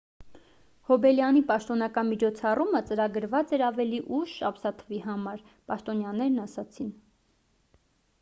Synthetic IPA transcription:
hɔbɛljɑnipɑʃt̪ɔnɑkɑnmit͡ʃʰɔt͡sʰɑrumət͡səɾɑɡəɾvɑt͡sɛɾɑvɛliʔuʃɑpsɑt̪ʰəviɦɑmɑɾ | pɑʃt̪ɔnjɑnɛɾnɑsɑt͡sʰin

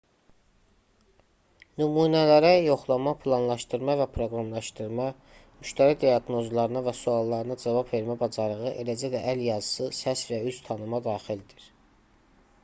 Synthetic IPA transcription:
nymuːnælæɾæjo̞χlˠɑmɑpʰlˠɑnlˠɑʃt̪ɯɾmɑvæpʰɾo̞ɡɾɑmlˠɑʃt̪ɯɾmɑ | myʃt̪ʰæɾid̪ijɑɡno̞zlˠɑɾɯnɑvæsuɑlˠːɑɾɯnɑd͡ʒɑvɑbve̞ɾmæbɑd͡ʒɑɾɯʁɯʔelæd͡ʒæd̪æʔæljɑzɯsɯsæsvæyst̪ʰɑnɯmɑd̪ɑːχild̪iɾ̥

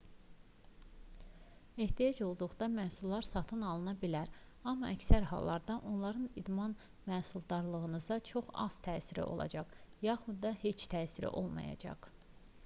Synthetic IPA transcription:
e̞ht̪ʰijɑd͡ʒo̞lˠd̪uʁd̪ɑmæhsulːˠɑɾsɑt̪ʰɯnɑlˠɯnɑbilæɾ | ɑmːɑʔæcsæɾhɑ̰lˠːɑɾd̪ɑʔo̞nlˠɑɾɯnid̪mɑn | mæːsulˠd̪ɑɾlˠɯʁɯnɯzɑt͡ʃʰo̞χɑ̰z̥t̪ʰæːsiɾḭʔo̞̰lˠɑ̰d͡ʒɑʁjɑχud̪ːɑhe̞t͡ʃt̪ʰæːsiɾḭʔo̞lˠmɑ̰jɑ̰d͡ʒɑ̰ʁ

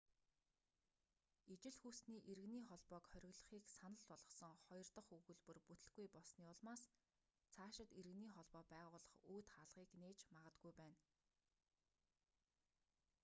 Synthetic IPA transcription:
it͡ɕɪ̆ɮxuːst̪niːʔeɾɘ̆niːχɔɮpɔːkχœɾʲɪ̆ɣɮə̆χiːksanə̆ɮpɔɮʁɞ̆sɞ̆ŋχɔjɞ̆rt̪ə̆χuɣɵ̆ɮpɵ̆rput̪ɘ̆ɮɡujpɔɮsniːʊɮmaːs | t͡sʰaːʃɪ̆t̪eɾɘ̆ɣniːχɔɮpɔːpæːʁʊːɮə̆χuːt̪χaɮʁiːkneːt͡ɕmaʁə̆t̪̚ɡujpæːn

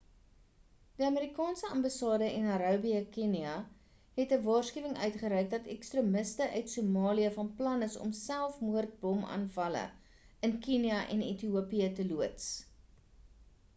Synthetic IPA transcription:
diɐmeɾikɑːnsəɐmbɑsɑːdəʔɛnɐɾɑbiəkiniɐ | ɦɛtəvɑːrskiəvəŋœ̰ɥtχəɾɛjk̚dɐtɛkstrəməstəʔœɥtsumɑːliəfɐnplɐnəsɔ̰msælˠfmuərt̚bɔmɑ̰ːnfɐlə̰ | ənkiniɐʔɛ̰nḛtiuəpiətəluəts

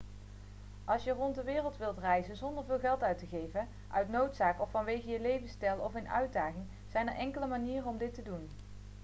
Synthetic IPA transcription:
ʔɑlˠsjərɔntdəʋɪːrəlˠtʋɪlˠtrɛjzənzɔndəɹvɪːlˠɣɛlˠtœɥtəɣejvən | ʔœɥtnowtsaːkɔfːɑnʋejɣəjəlejvənstɛlˠɔfɪnœ̰ɥd̚daːχɪŋ | z̥ɛjnəɹʔɛŋkələmaniːrəɔmdɪtədun

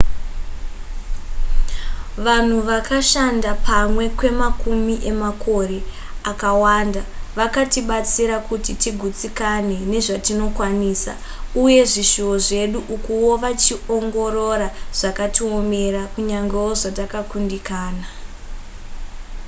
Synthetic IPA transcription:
ʋan̤uʋakaʃandapʰamwe̞kwe̞makumiʔe̞makʰo̞re̞ | akawandaʋakatiɓat͡siɾakutitiɡʱut͡sikane̞ne̞ʐatino̞kwaniːsa̰ | uje̞ʐiʃuoʐe̞ɗuʔukuwo̞ʋat͡ʃio̞ŋɡo̞ɾo̞ɾaʐ̥akatiome̞ɾakuɲaŋɡe̞woʐatakakundikaːna

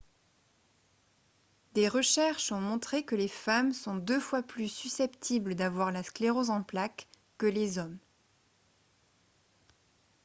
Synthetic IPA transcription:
d̪eʁəʃɛʁʃɔ̃mɔ̃t̪χekəlefamsɔ̃d̪øfwaplysysɛpt̪ʰibld̪avwaʁlaskleʁozɑ̃plakː | əlezɔm

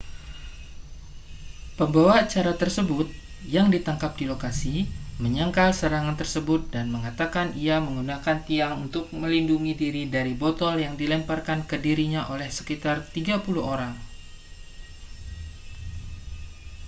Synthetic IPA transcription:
pəmbawat͡ʃaɾat̪ərsəbʊt̪̚ | jaŋdit̪aŋkap̚dilokasiməɲaŋkalsəɾaŋant̪ərsəbʊt̪̚danməŋat̪akanʔiaməŋɡunakant̪iaŋunt̪ʊk̚məlinduŋidiɾidaɾibɔt̪ɔljaŋdilɛmparkankədiɾiɲaʔolɛhsə̥kit̪art̪iɡapuluhoɾaŋ

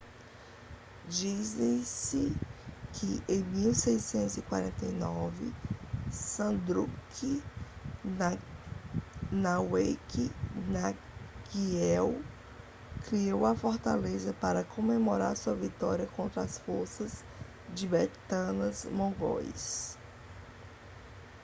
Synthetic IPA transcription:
d͡ʒizẽsɪkʰɪʔẽj̃miwsejsẽnt̪ʊzikwaɾẽnt̪ejnɔvɪ̰ | sɐ̃d̪ɾukʰi | nɐwejkʰina | ɡiɛw | kɾiowɐfɔɾt̪a̰lezɐpaɾɐkʰõmemoɾaɾsuɐvit̪ɔɾiɐkõnt̪ɾɐasfoɾsɐz | d͡ʒɪbɛt̪ɐ̃nɐzmõɡɔ̰js

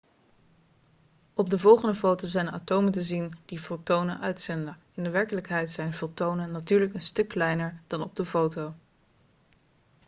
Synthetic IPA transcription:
ɔb̚dəvɔlˠχəndəfowtozɛjna̰ːtowməntəzind̥ifolˠtownənʔœɥtsɛndə | ɪndəʋɛɹkələkɦɛjtsɛjnvɔlˠtownənːatyːɹləkənstɵkːlɛjnəɹd̥ɑnɔb̚dəfowtow

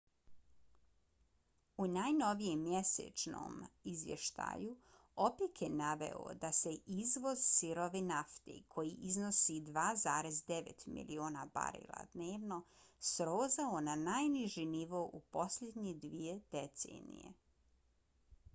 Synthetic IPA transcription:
unajno̞ʋijemːje̞sḛt͡ʃno̰mizʋjeʃt̪a̰ːju | opekʰjenaʋe̞̰o̰d̪ase̞ʔizʋo̞zsiɾoʋinaft̪ḛkʰo̞jiʔizno̞sid̪ʋaːzaːɾe̞zd̪eʋḛt̪mḭlḭoːnaba̰ɾḭlˠa̰d̪neːʋno̞sɾoːzaonanajniʒiniʋo̞ːʔupo̞sʎʲe̞d̪ɲed̪ʋijed̪̥et̪sḛnḭjḛ

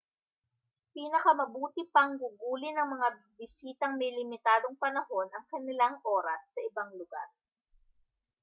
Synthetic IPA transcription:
piːnɐkɐmɐbuːt̪ɪpɐŋɡuɡuːlɪnɐŋmɐŋa | bɪsiːt̪ɐŋmɛjlɪmɪt̪aːd̪o̞ŋpɐnɐho̞nɐŋkɐnɪlaŋʔo̞ːɾɐsːɐʔɪbaŋlʊɡa̰ɾ

